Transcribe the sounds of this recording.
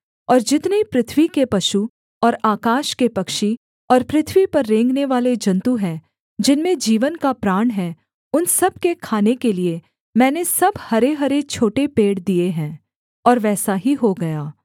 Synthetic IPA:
ɔːɾd͡ʒɪt̪nepɾɪt̪ʰʋikepɐʃu | ɔːɾaːkaːʃkepɐkʃi | ɔːɾpɾɪt̪ʰʋipɐɾːẽːŋɡneʋaːled͡ʒɐ̃nt̪uɦɛ̃ | d͡ʒɪnmẽd͡ʒiːʋənkapɾaːɳɦɛ | ʊnsɐb̚kekʰaːnekelie | mɛ̃ːnesɐbhɐɾeɦɐɾet͡ʃʰoːʈepeːɽd̪ieɦɛ̃ː | ɔːɾʋɛːsaɦiɦoɡɐjaː

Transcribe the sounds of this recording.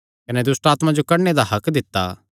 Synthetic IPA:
kɐnɛd̪ʊsʈaːt̪mãd͡ʒokɐɽned̪aɦɐkd̪ɪt̪ːa̰ː

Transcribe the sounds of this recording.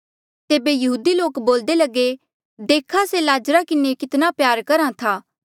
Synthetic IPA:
t̪eːbejɐɦuːd̪iloːkboːld̪elɐɡe | d̪eːkʰaselaːd͡ʒɾakɪnekɪt̪napjaːɾkɐɾãt̪ʰaː

